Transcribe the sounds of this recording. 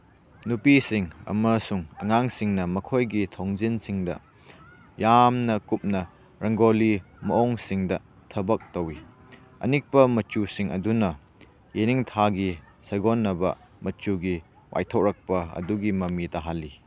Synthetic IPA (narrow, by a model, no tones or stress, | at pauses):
nupisiŋɐ̰mɐsuŋɐŋaŋsiŋnɐmɐkʰojɡitʰoŋzinsiŋdɐ̰ | jamnɐkup̚nɐ | ɾɐŋɡoli | mɐoŋsiŋdɐ | tʰɐbɐk̚towi | ɐ̰nik̚pɐmɐt͡ʃusiŋɐ̰dunɐ | jeniŋtʰaɡi | sɐɡonːɐbɐ̰ | mɐt͡ʃuɡi | wʔa̰jtʰow̚ɾɐk̚pɐɐ̰duɡimɐmidɐɦalːi